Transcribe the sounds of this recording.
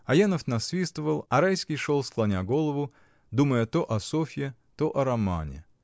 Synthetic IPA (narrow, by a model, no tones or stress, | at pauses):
ɐjanəft̪nɐsvʲist̪əvəlˠɐɾajskʲijʂolˠsklˠɐnʲaɡo̞lˠəvʊ | d̪uməjət̪oʔɐsofʲɪ | t̪oʔɐɾɐma̰nʲɪ̰